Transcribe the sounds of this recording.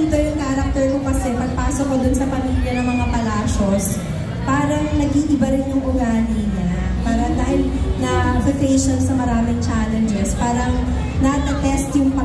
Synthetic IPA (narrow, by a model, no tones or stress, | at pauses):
ɪt̪ojʊŋkaːɐɾɐk̚t̪oɹkokɐsɛpɐɡ̚paːsokːod̪ʊnsɐpɐmiːljɐnɐŋmɐŋapɐlaːʃo̞s | paːɾɐŋnɐɡiːʔɪbɐɾɪnjʊŋɡʊɡaːninɐ | paːɾɐd̪ahɪlnɐʔɐpɾʊkejʃonsɐmɐɾaːmɪŋt͡ʃalɛnd͡ʒɛspaːɾɐŋ | nɐkɐt̪ɛst̪jʊŋpɐ